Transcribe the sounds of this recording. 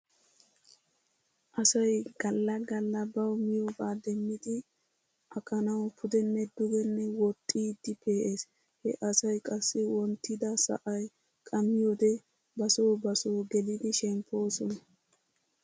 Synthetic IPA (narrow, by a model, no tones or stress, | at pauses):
ʔɐsɐjɡɐlːɐɡɐlːɐbɐwmɪjobaːd̪ɛmːɪd̪ɪ | ʔɐkʼɐnɐwpʰʊd̪ɛnːɛd̪ʊɡɛnːɛwɔt̪ʼːiːd̪ːɪpe̞ːʔeːs | hɛ̰ʔɐsɐjkʼɐsːɪwɔnt̪ːɪd̪ɐsɐ̰ʔɐj | kʼɐmːɪjoːd̪ɛ | bɐsoːbɐsoːɡɛlɪd̪ɪʃɛmpʰːo̞ːsɔnɐ